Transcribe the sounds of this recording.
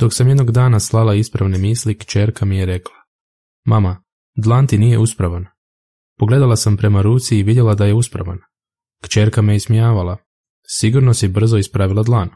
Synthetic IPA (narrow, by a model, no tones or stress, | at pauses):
d̪̥o̞ksamjed̪no̞ɡd̪aːnaslˠalaispɾaʋne̞miːslikt͡ʃe̞ːɾkamijeɾe̞klˠa | mama | d̪lˠaːnt̪inije̞uspɾaʋan | poɡle̞d̪alˠasampɾe̞maɾuːt̪siːʋid̪je̞lad̪aje̞uspɾa̰ʋa̰n | kt͡ʃe̞ːɾkamejesmijaːʋala | siɡuɾnosibr̩zo̞ispɾaʋilad̪lˠaːn